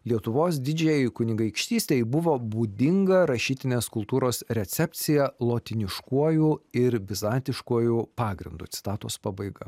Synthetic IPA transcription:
lʲiɛt̪ʊʋoːs̬d̪ʲɪd͡ʒʲeːjɛɪkʊnʲɪɡɐɪkʃʲt̪ʲiːsʲt̪ʲeɪbʊʋoːbuːd̪ʲɪŋɡɐɾɐʃʲiːt̪ʲɪnʲeːskʊlˠt̪uːɾoːsɾʲɛt̪sʲɛpʲt̪sʲɪjɛlˠoːt̪ʲɪnʲɪʃkuɔjuɪɾbʲɪzɑːnʲt̪ʲɪʃkuɔjupɑːɡɾʲɪ̰nd̪ʊ̰ːt̪ʲɪ̥t̪ɑːt̪o̰ːspɑːbɐɪɡɐ̰

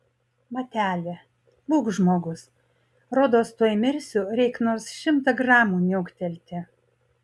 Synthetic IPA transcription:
mɐt̪ʲæːlʲe | buːkʒmoːɡʊs | ɾoːd̪oːst̪uɔjmʲɪɾʲsʲuːɾʲɛɪknoːsʃʲɪmt̪ɐɡɾɑːmuːnʲoʊkt̪ʲɛlʲt̪ʲɪ

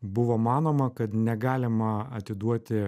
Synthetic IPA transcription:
bʊʋoːmɑːnoːmɐkɐt̪nʲɛɡɑːlʲɪmɐɐt̪ʲɪd̪uɔt̪ʲɪ

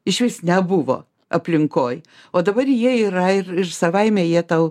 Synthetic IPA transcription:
ɪʃʲʋʲiːsnʲɛbʊʋo̰ː | ɐpʲlʲɪŋkoːj | oːd̪ɐbɐrjiɛiːɾɐɪrɪrsɐʋɐɪmʲɛjiɛt̪ɐʊ

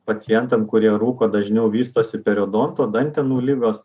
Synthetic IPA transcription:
pɐt̪sʲɪjɛnt̪ɐmkʊɾʲiɛɾuːkoːd̪ɐʒʲnʲɛʊʋʲiːst̪oːsʲɪpʲɛɾʲod̪oːnt̪oːd̪ɐnʲt̪ʲɛnuːlʲɪɡoːs

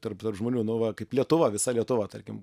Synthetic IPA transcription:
t̪ɐrpt̪ɐrpʒmoːnʲuːnʊʋɐkɐɪplʲiɛt̪ʊʋɐʋʲɪsɐlʲiɛt̪ʊʋɐt̪ɐrʲkʲɪm

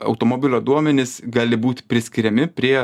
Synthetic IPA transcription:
ɐ̰ʊt̪oːmoːbʲɪlʲoːd̪uɔmʲɛnʲɪsɡɑːlʲɪbuːt̪ʲpʲɾʲɪsʲkʲɪɾʲɛmʲɪpʲɾʲiɛ

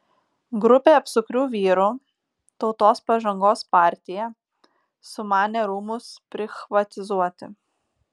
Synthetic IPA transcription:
ɡɾʊpʲeːɐpsʊkɾʲuːʋʲiːɾuː | t̪ɒʊt̪oːspɐʒɐŋɡoːspɑːˑɾʲt̪ʲɪjɛ | sʊmɑːnʲeɾuːmʊspʲɾʲɪxʋɐt̪ʲɪzuɔt̪ʲɪ̰

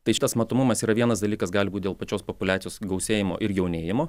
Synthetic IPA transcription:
t̪ɐɪʃɪt̪ɐsmɐt̪oːmʊmɐsiːɾɐʋʲiɛnɐsd̪ɐlʲiːkɐsɡɑːlʲɪbuːt̪̚ʲd̪ʲeːlˠpɐt͡ʃʲoːspopʊlʲæːt̪ʲɪjoːsɡɐʊsʲeːjɪmo̰ːʔɪɾjɛʊnʲeːjɪmoː

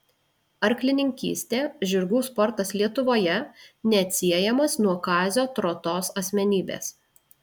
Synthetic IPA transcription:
ɐɾʲklʲɪnʲɪŋʲkʲḭːsʲt̪ʲeːʒʲʊɾɡuːspɔɾt̪ɐslʲiɛt̪ʊʋoːjɛnʲɛt̪ʲsʲiɛjɛmɐsnuɔkɑːzʲoːt̪ɾoːt̪oːsɐsʲmʲɛnʲiːbʲḛːs

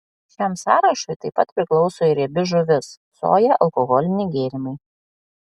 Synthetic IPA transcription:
ʃʲæmsɑːɾɐʃoɪt̪ɐɪpɐt̪pʲɾʲɪklˠɒʊsoːɪɾʲɛbʲɪʒʊʋʲɪs | so̰ːjɛʔɐlˠkɔɣɔlʲɪnʲɪɡʲeːɾʲɪmɐɪ

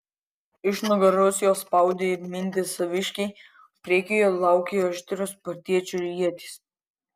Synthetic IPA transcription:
ɪʃnʊɡɐɾosʲjoːspɑˑʊd̪ʲeːmʲɪnʲt̪ʲɪsɐʋʲɪʃʲkʲɛɪ | pʲɾʲeːkʲɪjolˠɑˑʊkʲejɐʒʲt̪ʲɪɾʲʊspɐɾʲt̪ʲiɛt͡ʃʲʊɾʲiɛt̪ʲis

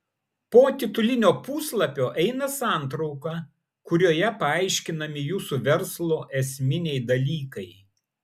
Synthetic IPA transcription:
poːt̪ʲɪt̪ʊlʲɪnʲoːpuːslˠɐpʲoːʔɛɪnɐsɑˑnt̪ɾɒʊkɐ | kʊɾʲoːjɛpɐɐɪʃʲkʲɪnɐmʲɪjuːsuʋʲɛɾslˠoːʔɛsʲmʲɪnʲɛɪd̪ɐlʲiːkɐɪ

